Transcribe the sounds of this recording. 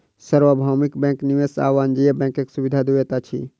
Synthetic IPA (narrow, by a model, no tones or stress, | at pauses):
səɾʋəbʱawmikbɛ̃ːŋkniʋesa̰ːʋaːnd͡ʒijebɛ̃ːŋkeksuʋid̪ʱad̪uet̪at͡ʃʰḭ